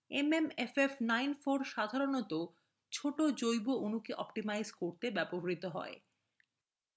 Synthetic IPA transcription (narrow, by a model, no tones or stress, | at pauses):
ememefefnajnfoɾʃad̪ʱaɾonot̪o | t͡ɕʰoʈod͡ʑojboʔonukeʔɔpʈimajzkoɾt̪ebɛpoɦɾit̪oɦɔ̰e